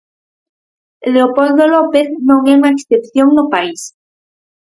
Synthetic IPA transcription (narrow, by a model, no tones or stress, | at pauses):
leopold̪olopeθnõŋeumaeksθepθjoŋnopais